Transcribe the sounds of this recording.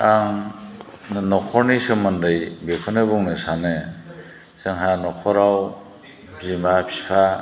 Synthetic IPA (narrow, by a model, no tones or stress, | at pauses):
aŋ | nɯnɔkʰɔɾnisɯmɯndɯjbekʰɔnɯbuŋnɯsane | sɯŋɦanɔkʰɔɾaw | zimapʰipʰa